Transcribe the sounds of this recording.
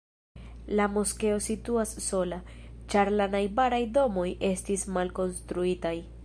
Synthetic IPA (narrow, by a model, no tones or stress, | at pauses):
lamoske̞o̞situasːo̞lat͡ʃaɾlanajbaɾajdo̞mo̞jʔe̞stismalko̞nstɾuitaj